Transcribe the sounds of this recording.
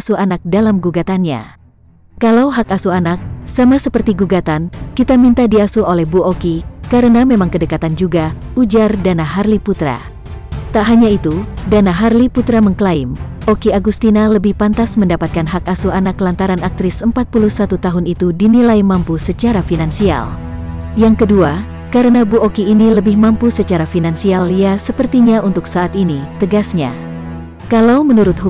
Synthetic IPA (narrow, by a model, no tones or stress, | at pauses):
suanak̚dalamɡuɡat̪anɲa̰ | kalawɦakasuanak̚samasəpərt̪iɡuɡat̪anːit̪amint̪adiasuolɛhbuokikaɾənamemaŋkədəkat̪and͡ʒuɡaud͡ʒardanaɦarliput̪ɾa̰ | t̪aʔɦaɲait̪udanaɦarliput̪ɾaməŋklaim | ʔokiaɡust̪inaləbɪhpant̪asməndapat̪̚kanɦakasuanaklant̪aɾanak̚t̪ɾɪsəmpat̪̚pulusat̪ut̪aɦʊnit̪udinilaimampusət͡ʃaɾafinansia̰l | jaŋkədua | kaɾənabuʔokiːniləbɪhmampusət͡ʃaɾafinansialiasəpərt̪iɲaunt̪ʊksaːt̪init̪əɡasɲa̰ | kalawmənuɾʊt̪̚hu